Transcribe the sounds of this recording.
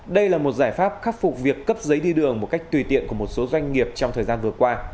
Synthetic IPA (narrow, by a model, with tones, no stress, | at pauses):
ɗə˧jlaː˨˩mo˨˩t̚zaː˧˩jfaː˦˥p̚xaː˦˥t̚fʊ˨˩k͡p̚vi˨˩əkːə˦˥p̚zə˨˦jɗi˧ɗɨ˨˩əŋmo˨˩t̚ka˦˥k̟̚t̪wi˨˧˩t̪ḭ˧˨ənku˧˩əmo˨˩t̚so˨˦zwa˧jŋ̟ŋi˨˩əp̚t͡ɕɔ˧ŋ͡mt̪ʰəː˨˩zaː˧nvɨ˨˩əkwaː˧